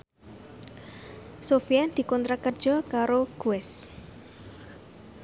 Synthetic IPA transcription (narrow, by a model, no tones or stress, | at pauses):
sofijad̪̥i̤kɔnt̪ɾakərd̥ʒ̥ɔ̤kaɾoɡ̥uɛs